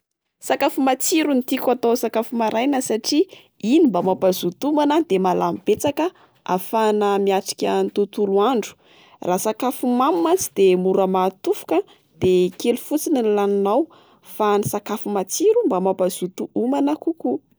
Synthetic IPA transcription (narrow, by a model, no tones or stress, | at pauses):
sakafumat͡siɾunit̪ikʲuat̪osakafumaɾʔajnəsaʈ͡ʂi | inimbamapazut̪umanəd̪emalamibet͡sakə | a̰fanəmiaʈ͡ʂi̥kʲənit̪ut̪uluaɳɖ͡ʐu̥ | raːsakafumammant͡sid̪emuɾəmat̪ufu̥kə | d̪̥ekelufut͡sininlaninaw | fanisakafumat͡siɾumbamapaz̥ut̪uumanakuku